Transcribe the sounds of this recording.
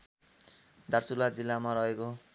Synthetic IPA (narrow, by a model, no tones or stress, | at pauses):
d̪arsulad͡zilːamaɾʌɦeko